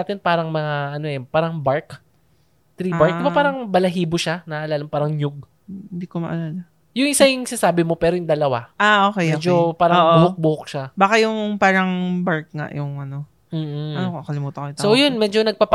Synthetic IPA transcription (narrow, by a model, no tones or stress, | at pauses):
t̪ɪnpaːɾɐŋmɐŋaʔɐnoʔɛpaːɾɐŋbaɹk | t̪ɾiːbaɹk̚dɪbapaːɾɐŋbɐlɐɦiːboʃanɐʔʔɐlaːlɐmpaːɾɐŋɲjʊɡ̚ | hɪnd̪iːkomɐʔɐlaːlɐ | jʊŋʔɪsɐjʊŋsɪnɐsaːbɪmo̞pɛːɾojʊŋd̪ɐlɐwaʔaʔokɛjoːd͡ʒopaːɾɐːʔbʊhok̚bʊhʊk̚ʃabaːkajʊŋpaːɾɐŋbaɹk̚ŋa̰ʔjʊŋʔɐno | m̩ːɐnokoʔkɐlɪmuːt̪ɐkojt̪sojonmɛːd͡ʒonɐɡ̚paːp